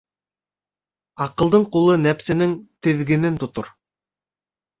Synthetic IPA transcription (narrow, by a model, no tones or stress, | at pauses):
ɑqɤ̆lˠd̪ɤɴqulˠɤnæpsɘ̆nɘŋt̪ɘ̆ðɡɘ̆nɘnt̪ŏt̪o̰ɾ